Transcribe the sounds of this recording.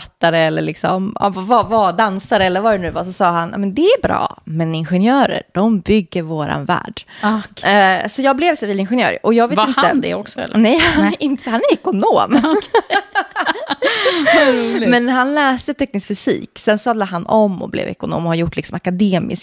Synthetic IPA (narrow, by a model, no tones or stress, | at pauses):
fat̪ːaɾəɛlːəɭɪksɔ̰m̰vavad̪ansaɾəɛlːəɾvaɾɛnʉ̟ːvasɔsɑːɦanja̰ːmɛnd̪ɛæɾbɾɑ̰ːmɛnɪnɧɛnjœːɾə̰ɾɖ̥ɔmbʏɡːəɾvoːɾa̰nvæ̰ːɖ | sɔjɑːɡblɛvsɛviːlɪnɧɛnjœ̰ːɾʔɔjɑːɡveːt̪ɪnəd̪ɛ̰ɔksɔ̰lːnɛjhanʔɪnt̪hanæɾɛkʊnoːm | mɛnɦanlɛːst̪ət̪ʰɛkːnɪskfʏsḭːksɛnsɑd̪aɦanʔɔmːɔ̰blɛ̰vɛ̰kʊno̰ːmɔhaɾjʊʈːlɪksɔmakad̪eːmɪ̰sk